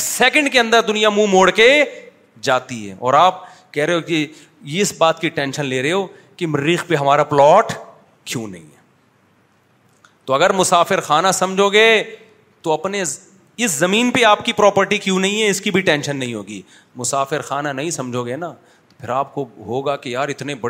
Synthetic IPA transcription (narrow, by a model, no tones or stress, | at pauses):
sɛːkə̃ɳɖkeɐ̃nd̪əɾd̪ʊnijamũmoːɽke | d͡ʒaːt̪iɦɛ̰ːɔ̰ːɾaːp̚ | kɛɦɾɐɦeɦoki | jeɪsbaːt̪kiʈɛ̃ːnʃənleːɾɐɦeɦoː | kimɪɾːiːxpeɦɐmaːɾaplɔːʈ | kjũːnɐ̰ɦḭ̃ɦɛː | t̪oɐɡəɾmʊsaːfɪɾxaːnasɐmd͡ʒʱoɡee | t̪oɐpne | ɪszɐmĩːnpeaːpkipɾɔːpəɾʈikjũːnɐɦĩɦɛɪskibʱiʈɛ̃ːnʃənːɐɦĩɦo̰ːɡḭː | mʊsaːfɪɾxaːnanɐɦĩsɐ̃md͡ʒʱoɡena | t̪opʰɪɾaːp̚koɦoːɡakejaːɾɪt̪nebɐɽ